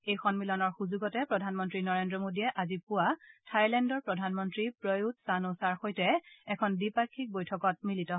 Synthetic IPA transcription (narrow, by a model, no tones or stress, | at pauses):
ejxɔnmilɔnɔɹxuzuɡɔtɛpɹɔdʱanmɔntɹinɔɹendɹɔmodiɛʔazipʊwatʰajlɛndɔɹpɹɔdʱanmɔntɹipɹɔjutsanosaɹxojtɛɛkʰɔndipaɹkʰːik̚bojtʰɔkɔt̚militɔɦ